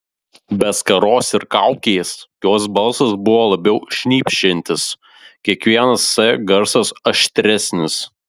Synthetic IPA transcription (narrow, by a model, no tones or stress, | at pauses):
bʲɛskɐɾoːsɪɾkɐˑʊkʲeːsjoːs̬bɐlˠsɐsbʊʋoːlˠɐbʲɛʊʃʲnʲiːpʲʃʲɪnʲt̪ʲɪs | kʲiɛkʋʲiɛnɐsːɐɡɐɾsɐsɐʃʲt̪ʲɾʲɛsʲnʲɪs